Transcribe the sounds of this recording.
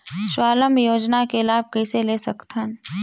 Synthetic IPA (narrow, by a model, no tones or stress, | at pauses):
ʃwaːləmjoːd͡ʒnakelaːb̚kɛːseleːsɐkt̪ʰən